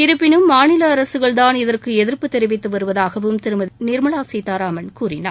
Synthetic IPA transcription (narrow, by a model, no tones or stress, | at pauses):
ɪɾɯpːɪnɯmːaːnɪlɐːɾɐsɯɣɐɭt̪aːnɪðɐrkɯɛðɪɾpɯt̪ːɛɾɪʋɪt̪ːɯʋɐɾɯʋɐðaːɣɐʋɯmt̪ɛɾɯmɐðnɪɾmɐɭaːsɛt̪ːaːɾaːmɐnkuːrɪna̰ːɾ